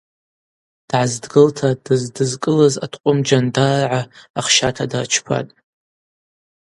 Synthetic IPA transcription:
d̥ʕazdɡɨltʰadɨzdɨzkʼɨlaza̰tʰʼqʷʼʊmd͡ʒandarʕaaχʃatʰadat͡ʃʰpʰa̰tʼ

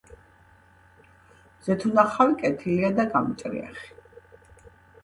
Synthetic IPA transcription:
z̥ɛt̪ʰunaχawikʼɛt̪ʰiliad̪aɡamit͡ʃʼɾḭa̰χi̥

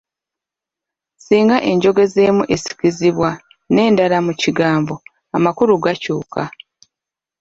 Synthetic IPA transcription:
siːŋɡaʔe̞ɲɟo̞ɡe̞zeːmuʔe̞si̥ciziβwa | ne̞ːndalamuciɡaːmbo̞ | amakuɾuɡacuːka

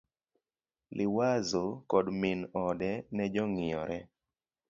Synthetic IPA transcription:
lʔɪwazokɔdmɪnɔdɛnɛd͡ʒɔŋɪɔɾɛ

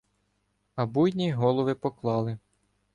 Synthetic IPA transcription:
ɐbujʲnʲiɦɔlˠɔʋɪpɔklˠɑlˠɪ

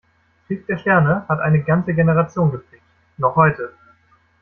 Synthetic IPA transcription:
fɪːk̚d̥eːɐʃtɛɐnəhatʔaɪnəɡant͡səɡenəʁ̞at͡sjoːnɡəp͡fleːk̚t | nɔχhɔʏtə

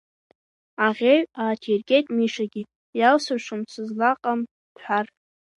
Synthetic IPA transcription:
aʁʲeɥaːtʰierɡʲʼetʼmiʂaɡʲi | jalsaʂɨmt͡sʷʰɨzlaqʼam | ħʷar

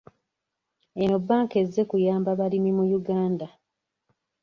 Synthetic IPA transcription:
eno̞bːaːŋke̞zːe̞kujaːmbaβalimimujuɡaːnda

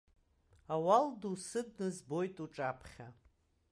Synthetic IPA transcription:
awaldusɨdnɨzbo̞jtʼuʈ͡ʂʼapʰχʲa

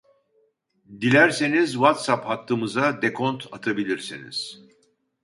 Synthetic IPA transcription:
d̪ilʲæɾsenizvat̪saphat̪ʰːɯmɯzad̪ekʰont̪ʰat̪ʰabilʲiɾsinḭz̥

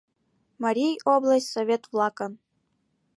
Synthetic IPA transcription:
mɐɾʲijoblˠəsʲtʲsovʲet̪vlˠɑkɤn

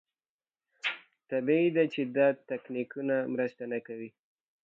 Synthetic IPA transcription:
t̪abiid̪at͡ʃed̪ɑt̪aknikunamɾəst̪anakawi

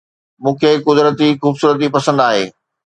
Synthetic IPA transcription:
mũːkʰeːkʊd̪ɾət̪ixuːbsuːɾət̪̬ipɐsə̃nd̪aːɦeː

